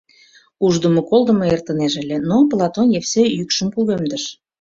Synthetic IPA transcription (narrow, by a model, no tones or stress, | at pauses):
uʒd̪ə̆mŏkolˠd̪ə̆mɤert̪ə̆neʒə̆lʲĕnoplˠɑt̪onjefsejykʃə̆mkuɣømd̪ə̆ʃ